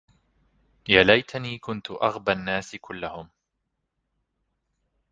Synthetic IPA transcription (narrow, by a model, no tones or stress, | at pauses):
jaːlajt̪ʰaniːkʊnt̪ʊʔaɣbanːaːskʊlːahʊm